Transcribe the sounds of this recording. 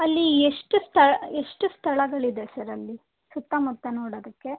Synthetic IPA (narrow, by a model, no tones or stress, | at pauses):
ɐlːieʂʈust̪ʰɐɭeʂʈust̪ʰɐɭɐɡɐɭid̪esɐɾɐlːi | sut̪ːɐmut̪ːɐnoːɽoːd̪ɐkːe̞